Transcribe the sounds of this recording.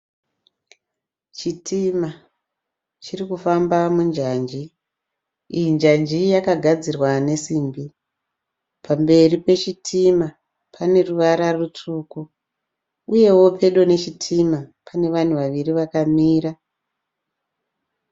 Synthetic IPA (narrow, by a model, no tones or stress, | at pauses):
t͡ʃitima | t͡ʃirikufambamund͡ʒaːnd͡ʒi | ijind͡ʒand͡ʒijakaɡʱad͡zirwane̞siːmbi | pʰambe̞ripe̞t͡ʃitʰima | pʰane̞ruʋaɾarutʰuku | uje̞wo̞pʰe̞ɗo̞ne̞t͡ʃitʰimapʰane̞ʋan̤uʋaʋiriʋakamiːɾa